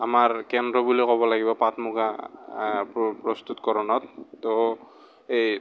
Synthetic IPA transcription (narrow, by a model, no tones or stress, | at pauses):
amaɹkɛndɹɔbulikɔbɔlaɡibɔpatmuɡʰʱa | ppɹɔst̪utkɔɹɔnɔtːɔ | ej